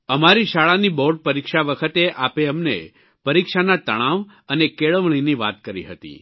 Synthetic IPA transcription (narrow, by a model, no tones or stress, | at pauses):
əmaɾiʃaɭaniboɖ̚pəɾikʃaʋəkʰət̪eʔapeəmnḛ | pəɾikʃanat̪əɽ̃ãʋ | ənekeɭəʋɳ̃iniʋa̰t̪kəɾḭɦət̪ḭ